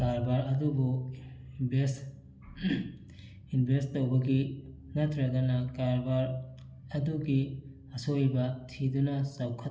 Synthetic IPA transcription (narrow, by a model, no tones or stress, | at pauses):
kaɾbaɾɐdubu | bʱes | inbʱestːɐwbɐɡi | nɐt̪ʰɾɐɡɐnɐkaɾbaɾ | ɐduɡi | ɐsojbɐtʰidunɐsawkʰɐ